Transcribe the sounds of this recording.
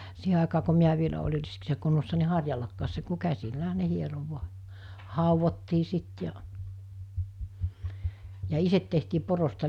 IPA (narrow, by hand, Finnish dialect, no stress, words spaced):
siːhe ɑˑekɑː ko miæ ʋielæ olʲir̆ riskisːæ kunːosːɑ ni hɑrjɑlːɑkːɑːs se ku kæsilːæɦæ ne hiero ʋu̞ɑ hɑˑuʋotːiː sit jɑ jɑ iset tehtiː porostɑ